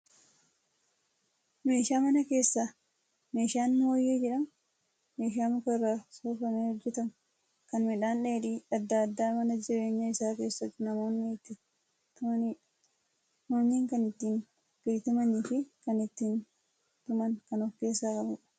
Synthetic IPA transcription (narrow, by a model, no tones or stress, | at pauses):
me̞ːʃaːmɐnɐke̞ːsːa | me̞ːʃaːnːʊwojːeːd͡ʒɛᶑɐm | me̞ːʃ̬aːmʊkɐrːaːsoːfɐneːhɔd͡ʒːɛt̪ɐm | kɐnmɛᶑaːnᶑeːᶑiːɐd̪ːaɐd̪ːaːmɐnɐd͡ʒɪɾe̞ːɲːɐɪsaːke̞ːsːɐt̪ːɪnɐmo̞ːnːɪt̪ːɪ | t̪ʊɐnː | moːɲːiːŋkɐnɪt̪ːiːn | bɪɾt̪ɪmɐniːfɪkɐnɪt̪ːiːn | t̪ʊmɐŋkɐnɔkːe̞ːsːaːkʼɐbʊᶑ̥